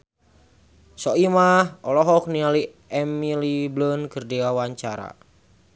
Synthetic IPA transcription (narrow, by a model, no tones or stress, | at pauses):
sɔimahɔlɔɦɔk̚niali | ɛmiliblənkɨrdiawaɲt͡ʃaɾa̰